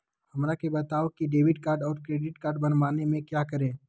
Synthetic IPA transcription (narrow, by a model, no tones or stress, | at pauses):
hɐmɾakebɐt̪aːokiɖeːʋɪʈkaːɾɖɔːɾkɾeːɖɪʈkaːɾɖbɐnʋaːnemẽkjaːkɐɾẽː